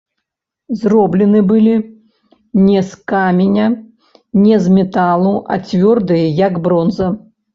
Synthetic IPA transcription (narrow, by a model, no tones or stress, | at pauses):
zrɔblʲɛnɨbɨlʲi | nʲɛskamʲenʲɐ | nʲɛzmʲɛt̪alˠuʔɐ̰t͡sʲvʲɔrd̪ɨjɐjɐɡbɾɔnzɐ